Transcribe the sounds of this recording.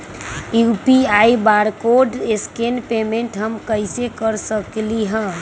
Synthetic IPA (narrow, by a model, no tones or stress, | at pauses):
jupiaibaɾkoɖeskenpemẽɳʈɦəmkəɪsekəɾsəkliɦə̃